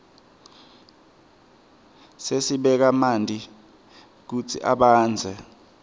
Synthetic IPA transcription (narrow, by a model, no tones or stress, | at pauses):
sesiɓɛk̬amandʱʼi | k̬ut͡sʰḭʔa̰ɓaːnd͡zʱɛ